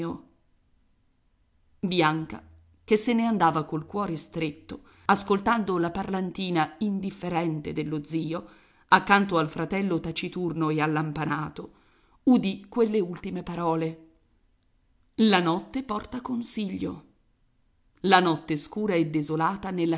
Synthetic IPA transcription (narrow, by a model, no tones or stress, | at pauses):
o | bjaŋka̰ | kesːeneand̪aːvakolkwɔːɾest̪ɾet̪ːo | askolt̪and̪olaparlant̪iːnaind̪ifːeɾɛnt̪ed̪elːod̪ziːo | akːant̪oalfɾat̪ɛlːot̪at͡ʃit̪urnoealːampanaːt̪o | ud̪ikːwelːeult̪imepaɾɔːle | lanɔt̪ːepɔrt̪akonsiʎːo̰ | lanɔt̪ːeskuːɾaed̪ːezolaːt̪anelːa